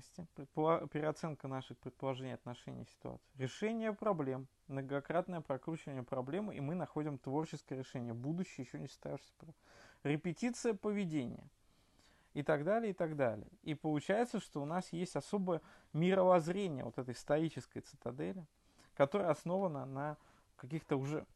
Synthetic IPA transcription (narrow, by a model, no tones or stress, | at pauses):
sʲtʲɪpɾʲɪt̪̚pəɐpʲɪɾʲɪɐt̪sɛnkənaʂɨxpɾʲɪt̪̚pəlˠɐʐɛnʲɪjɐt̪nɐʂɛ̰nʲɪ̰jsʲɪ̥t̪ʊ̰a̰t̪sɨ̥jɾʲɪʂɛnʲɪjəpɾɐblʲe̞m | mnəɡɐkɾat̪nəjəpɾɐkɾut͡ɕɪvənʲɪjəpɾɐblʲemɨʔḭmɨnɐxo̞dʲɪmt̪vo̞rt͡ɕɪskəjəɾʲɪʂɛnʲɪjəbud̪ʊɕːɪjəjɪɕːonʲɪst̪a̰vʲɪʂsʲə̥pɾʲɪpʲɪtʲit̪sɨjəpəvʲɪdʲenʲɪ̰jə̰ | ɪt̪ɐɡd̪alʲɪjəɪt̪aɡd̪alʲɪ̰jə̰ipəlˠʊt͡ɕæjɪt̪səʂt̪o̞ʊnasjesʲtʲɐso̞bəjəmʲɪɾəvɐzɾʲenʲɪjə̰vo̞t̪ɛt̪əjst̪ɐɾit͡ɕɪskəjt̪sɨ̥t̪ɐd̪ɛlʲɪ | kɐt̪o̞ɾəjəɐsno̞vənənə | kɐkʲixt̪əʊʐɛ̰